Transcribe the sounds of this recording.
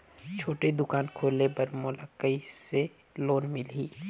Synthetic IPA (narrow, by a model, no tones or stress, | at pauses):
t͡ʃʰoːʈed̪ʊkaːnkʰoːlepɐɾmʊlakəise | loːnmɪliː